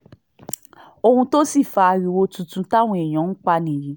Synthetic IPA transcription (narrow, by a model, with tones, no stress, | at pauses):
o˧hũ˧to˦si˦˨fa˧ɾi˨wo˧tũ˨˦tũ˧˦ta˦˨w̃ɔ̃˧e˨j̃ã˨˦ŋ̩˦k͡pa˧nĩ˨ji˨˦